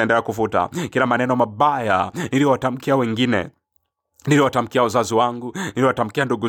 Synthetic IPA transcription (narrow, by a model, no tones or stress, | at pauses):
ɛndɛlɛakufuta̰kilamanɛnɔmaɓajaniliwatam̩kiawɛŋɡinɛ̰ | niliwatam̩kiawazaziwaŋɡuniliwatam̩kianduɡu